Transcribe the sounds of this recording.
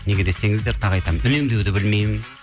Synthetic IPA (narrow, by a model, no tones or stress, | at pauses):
ne̞ɡʲe̞d̪e̞se̞ŋɪzd̪e̞ɾt̪ʰɑʁɑjt̪ɑmd̪ʏle̞md̪e̞wd̪ɪbɪlme̞jmɪn